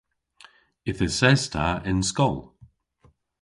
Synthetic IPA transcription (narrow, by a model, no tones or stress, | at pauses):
ɪθəsɛz̥tʰaɪnskɔlˠ